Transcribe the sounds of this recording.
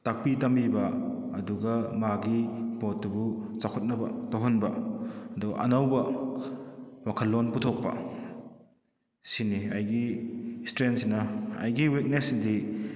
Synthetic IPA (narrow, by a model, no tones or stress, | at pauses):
tak̚pitɐmbibɐɐduɡɐmaɡipotːubut͡ʃakʰut̚nɐbɐ̰towɦɐnbɐɐdɔʔɐ̰nɐwbɐ | wakʰɐlːonputʰok̚pɐ̰ | sinːiɐjɡistɾensinɐɐ̰jɡiwik̚nesidi